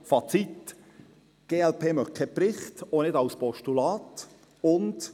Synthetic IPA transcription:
fɑt͡sit | ɡ̥eːɛlpʰeːmœχkʰɛpɾɪχtonɪdɑwspɔʃtulɑːt | ʊnt

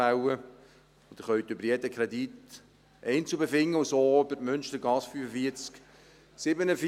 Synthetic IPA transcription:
awə | od̥̪əχœɥt̪ʏbəɾjɛdəkʰʁɛd̪it̪ | ʔɛɪnt͡subefɪŋːəsoːøbəɾmʏnʃtəɾɡɑsfyːfəfiːəɾt͡sk | sɪbənəf

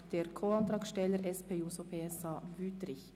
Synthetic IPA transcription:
d̪̥eːɾkʰoːɑnt̪ɾɑːɡsʃtɛləɾɛspeːuːsɔpʰeːɛsɑːʋʉːt̪ɾɪç

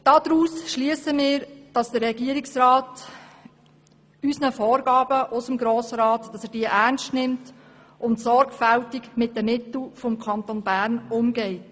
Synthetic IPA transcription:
d̥ɑd̥ɾuːsʃliəsəmiːɾd̥ɑsd̥̪əɾɾɛɡiəɾɪksrɑːt | ysnəfɔːɾɡɑːbəʔʊsəmɡɾoːsəɾɑːtːɑsɛːɾd̥iːəʔærnstnɪmt | ʔʊntsɔɾɡfæltikmɪt̚dəmɪtl̩fɔmkʰɑnt̪onbæːɾnʊmɡɛɪt

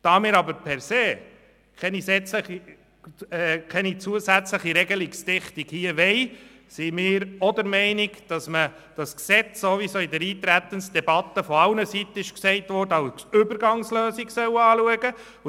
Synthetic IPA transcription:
d̥ɑːmɪːɾɑbəɾpʰɛɾseː | kʰɛnisɛt͡sləi | ɛkʰɛnit͡suəsæt͡sləχiɾɛɡəlɪkstɪχtikhiːəʋɛj | simɪːɾɔdəɾmɛɪniɡd̥ɑsmə | d̥ɑsksɛt͡sːoʋisoːidəɾiːt̪ɾæt̪ənsd̥̪ɛbɑt̪ːəfɔɑʊnəsit̪ːəɪʃksɛɪt̪ʋɔrdəɑʊʏbəɾɡɑŋsløːsiɡsœwɑːluəɡə

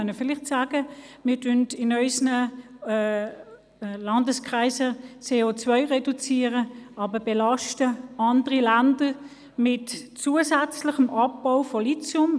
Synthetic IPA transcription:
œnəfɪlɪχtsaːɡ̥əmɪːɐtʰøntɪnœʏsnə | lɑndəskʁaɪsət͡seːot͡svœʏʁɛdut͡siːəʁəɑːbəbɛlɑʃtəɑndəʁilændə | mɪtt͡suːəsɛt͡slɪχəmʔɑp̚baʊfɔlit͡sjʊm

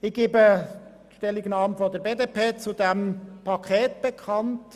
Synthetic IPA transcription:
ɪɡ̥eːbə | ʃtɛliɡənɑːmfɔdəɾbeːdepʰeːt͡sudɛmpʰɑkʰχɛːtb̥ekʰɑnt

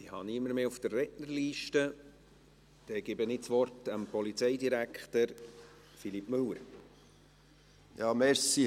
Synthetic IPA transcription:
ihɑ̰nimːəɾmeːufd̥ərːɛtnəɾliːʃtə | d̥ɛɡ̥ɪbənɪt͡sʋɔrtəmpɔlit͡sɛɪdiɾækχt̪əɾ | filipmɵwəɾ | jɑːmɛɾsi

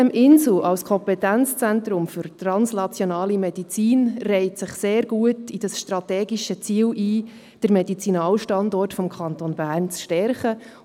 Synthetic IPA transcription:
ɛmʔɪnzl̩ɑlskʰɔmpɛtænt͡st͡sɛnt̪ɾʊmfʏɾtrɑnsnɑt͡sjonɑːlimɛdit͡siːnrɛɪtsɪχseːɾɡuətid̥ɑsʃtɾɑtɛːɡiʃət͡siːlʔiː | d̥əɾmɛdit͡sinɑːlʃtɑndɔrtfɔmkʰɑntonbæːɾnt͡sʃtɛɾχə

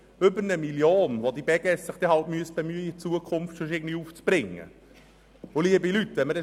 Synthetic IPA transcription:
ʏbəɾnəmiljoːnʋod̪ib̥ɛɡɛssɪχd̥̪ɛhɑltmyəsb̥emyːit͡suəkʰʊmftsʊʃɪːɡən̩diuːft͡sb̥ɾɪŋːə̰ | ʊliəbilyt̪ːʋɛnməɾɛ

